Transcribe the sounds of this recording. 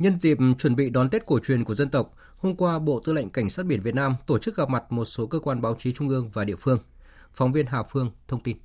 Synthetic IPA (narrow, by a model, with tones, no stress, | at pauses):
ɲə˧nzḭ˧˨p̚t͡ɕwə˧˩nɓḭ˧˨ɗɔ˨˦nt̪e˦˥t̚ko˧˩t͡ɕwi˨˩ənku˧˩əzə˧nt̪ə˨˩wk͡p̚ | ho˧mkwaː˧ɓo̰˧˨t̪ɨ˧la̰˧˨ŋ̟ka˧˩jŋ̟saː˦˥ɓi˧˩ənvt̚naː˧mt̪o˧˩t͡ɕɨ˦˥k̚ɣə˨˩p̚ma˨˩t̚mo˨˩t̚so˨˦kəː˧kwaː˧nɓaː˨˦wt͡ɕi˨˦t͡ɕʊ˧ŋ͡mʔɨ˧əŋvaː˨˩ɗḭ˧˨əfɨ˧əŋ | fɔ˨˦wŋ͡mvi˧ənɦaː˨˩fɨ˧əŋt̪ʰə˧wŋ͡mt̪i˧n